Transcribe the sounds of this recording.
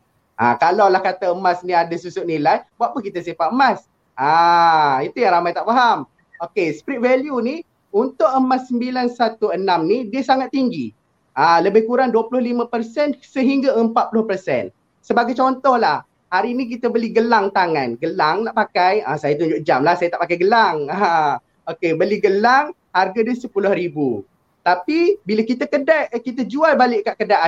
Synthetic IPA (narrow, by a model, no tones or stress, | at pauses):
ʔa̰kalawlahkat̪aəmasniadasusʊʔnilajbuaʔpənkit̪asifaʔəmas | ʔa | it̪ujaŋɾamajt̪aʔfaɦam | okespɾit̪̚vɛljuni | unt̪ʊʔəmasːəmbilansat̪uənamnidiəsaŋat̪̚ːiŋɡi | aləbɪhkuɾaŋduwəpulʊhlimãpərsɛnsəɦiŋɡaəmpat̪̚pulʊhpərsɛ̰n | səbaɡajt͡ʃɔnt̪ɔhlah | haɾiːnik̬it̪əbəliɡəlaŋt̪aŋãnɡəlaŋnaʔpakajasajat̪uɲd͡ʒʊʔd͡ʒamlahsajat̪aʔpakajɡəlaŋa | okebəliɡəlaŋ | harɡadisəpulʊhɾibu | t̪apibilakit̪akədaʔ̚kit̪əd͡ʒualbalɪʔkːaʔkədaʔ